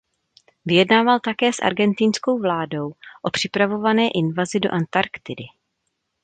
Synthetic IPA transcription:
vɪjɛdnaːvalt̪akɛːsʔa̰ɾɡɛnt̪insko̞wvlaːdo̞wʔo̞pr̝̥ɪpɾavo̞vanɛːʔɪnvazɪdo̞ʔant̪aɾkt̪ɪdɪ

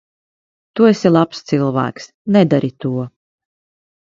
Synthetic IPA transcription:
t̪uesilˠapst̪silˠvæ̰ːks | nɛd̪aɾit̪uɔ

